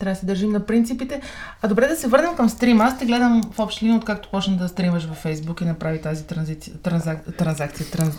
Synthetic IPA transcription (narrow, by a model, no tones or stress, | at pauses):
t̪ɾavəsɛd̪ɐɾʒimnɐpɾint̪sipit̪ɛ | ɐd̪obɾɛd̪ɐsɛvɤɾnɛmkəmst̪ɾimast̪ɛɡlɛd̪əmfɔpʃt̪liot̪̚kakt̪o̥pɔt͡ʃnəd̪ɐst̪ɾiməʃvɐfːɛjzbukinɐpɾavit̪azit̪ɾzit̪ɾɐzat̪ɾɐnzak̚t̪sijət̪ɾɐn